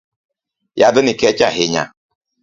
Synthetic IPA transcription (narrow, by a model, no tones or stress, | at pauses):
jadʊnɪkɛt͡ʃaɦɪɲa̰